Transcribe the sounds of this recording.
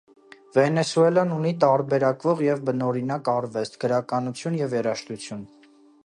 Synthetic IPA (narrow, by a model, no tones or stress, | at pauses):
vɛnɛsuɛlɑnunit̪ɑɾbɛɾɑkvɔʁjɛvbənɔɾinɑkɑɾvɛst̪ʰɡ̥əɾɑkɑnut͡sʰjunjɛvjɛɾɑʃt̪ut͡sʰjun